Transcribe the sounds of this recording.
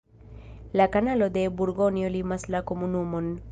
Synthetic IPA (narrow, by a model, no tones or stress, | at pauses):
lakanalɔd̪ebuɾɡɔnijolimaslakomunumɔn